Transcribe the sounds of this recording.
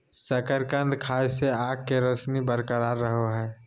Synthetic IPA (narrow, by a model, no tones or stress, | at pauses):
səkəɾkə̃nd̪kʰaːjseaːɡ̚keɾəsnibəɾkəɾaːɾːəɦoɦɛː